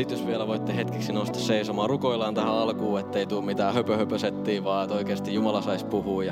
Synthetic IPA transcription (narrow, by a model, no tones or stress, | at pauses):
it̪josʋielæʋoit̪ːehet̪keksinost̪ɑsseisomɑːrukoilːˑɑːnt̪æhæɑlkuːet̪ːeit̪uːmmit̪æːhøpøhøpøset̪ːiːʋɑːet̪oikeːst̪ijjumɑlɑsɑispuhuːjɑ